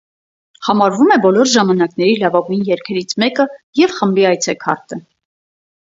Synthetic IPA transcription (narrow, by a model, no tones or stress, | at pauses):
hɑmɑɾvumɛbɔlɔɾʒɑmɑnɑknɛɾilɑvɑɡujnjɛɾkʰɛɾit͡sʰmɛkəjɛvχəmbiɑjt͡sʰɛkʰɑ̰ɾt̪ə